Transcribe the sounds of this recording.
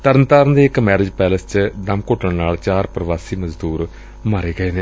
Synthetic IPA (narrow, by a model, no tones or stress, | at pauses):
t̪əɾənt̪aːɾənd̪eːɪkmɛːɾɪd͡ʒpɛːləst͡ʃd̪əmkoːʈəɳnaːlt͡ʃaːɾpɾəʋaːsiːməzd̪uːɾ | maːɾeːɡəeːneː